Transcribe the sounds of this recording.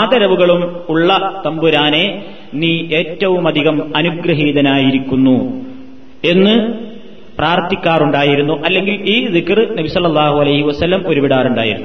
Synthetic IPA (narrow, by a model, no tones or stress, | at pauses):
aːd̪ɐɾɐʋuɣɐɭumuɭːɐt̪ɐmbuɾaːne̞ | niːʔeːtːɐʋumɐd̪ʱiɣɐmɐnuɡɾɐɦiːðɐnaːjiɾikʲːunːu | e̞nːɨ | praːrt̪ːikʲːaːruɳɖaːjiɾunːuʔɐlːe̞ŋɡiliːzikrnɐbisɐlːɐlːaːhuɐlɐjhiʋɐsɐlːɐmo̞ɾubiɽaːruɳɖa̰ːjḭɾunːu